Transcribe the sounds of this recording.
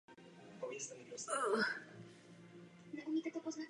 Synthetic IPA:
povisɛmiosal | nɛʔumiːt̪ɛt̪opozna

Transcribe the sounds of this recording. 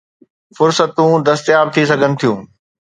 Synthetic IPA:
fʊɾsət̪ũd̪ɐst̪jaːb̚t̪ʰisɐɡʱənɪ̆t̪ʰijũː

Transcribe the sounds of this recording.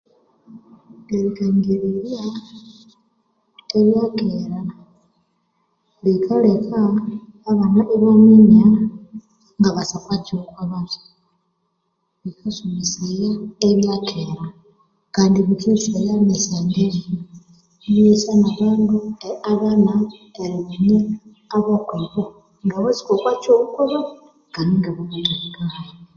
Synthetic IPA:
deɾikaŋɡiɾiɾja | eβjakeɾa | likʰolekʰaː | βanaʔeβomiɲaɾa | ŋɡaβasakat͡ʃukwaβato̥ | βikʰasumisejaeβjakʰeɾa | kaːndiβikisejanesendeɾi | βesanaβaŋɡoeaβanaeɾiβuɲe | aβakweβo | ŋɡaβot͡si̥kokwat͡ʃoβukuβo | kaniŋɡeβaβanaiɡaβo

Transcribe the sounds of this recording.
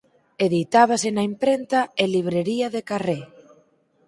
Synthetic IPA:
eðit̪aβ̞asenaimpɾent̪aeliβ̞ɾeɾiaðekare

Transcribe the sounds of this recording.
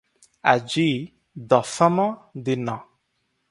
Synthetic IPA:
a̰d͡ʒi | dɔfɛmɔ̃d̪ɪnɔ̃

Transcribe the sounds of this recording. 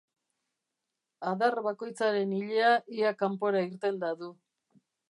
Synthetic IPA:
aðaɾβako̞jt͡saɾe̞niʎe̞aʔiakampo̞ɾaiɾt̪e̞ld̪aðu

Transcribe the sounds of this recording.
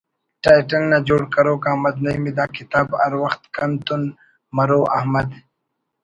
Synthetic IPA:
ʈaːjʈɐlnad͡ʒoːɽkɐɾoːkahmɐd̪nɐjmid̪aːkɪt̪aːbɐ̰ɾwɐxt̪kɐnt̪un | mɐɾoːʔɐ̰hmɐd̪

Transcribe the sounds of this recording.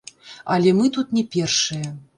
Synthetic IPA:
alʲɛmɨt̪ut̪nʲɛpʲɛrʂɨjɛ

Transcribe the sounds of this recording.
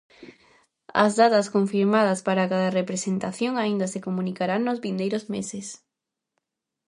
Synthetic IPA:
ɐ̰zðat̪ɐskoɱfiɾmað̞ɐspaɾakaðarepɾesent̪aθjoŋaind̪ɐsekomũnikaɾaŋnozβind̪ejɾozmeses

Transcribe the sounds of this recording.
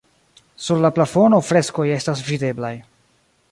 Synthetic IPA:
suɾlaplafo̞no̞fɾe̞sko̞je̞stasvide̞blaj

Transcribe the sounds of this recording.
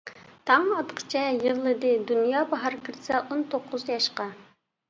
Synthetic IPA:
t̪ʰɑŋɑt̪qʰə̥t͡ʃʰɛjəʁlˠɨd̪ɨd̪unjɑːbɑɦɑɾkʲʰiɾsɛʔont̪ʰoqʰːʊzjɑʃqɑ

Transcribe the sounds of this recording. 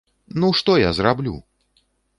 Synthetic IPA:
nuʂt̪ɔjazrablʲṵ

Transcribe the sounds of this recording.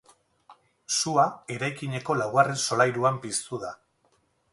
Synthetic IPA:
suae̞ɾajkiɲe̞ko̞lawɣare̞nso̞lajɾuampist̪uða

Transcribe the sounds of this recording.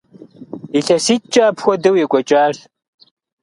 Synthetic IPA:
iɬɐsitt͡ʃʼaːpʰxʷɔdɨwjɛkʷʼɔt͡ʃʼaːɮ

